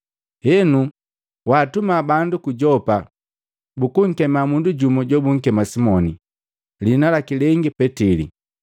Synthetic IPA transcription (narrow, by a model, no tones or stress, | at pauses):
hɛnu | waːtumabandukuɟɔpa | bukuŋ̩kɛmamunduɟumɔɟɔbuŋ̩kɛmasimɔni | linalakilɛŋɡipɛtilḭ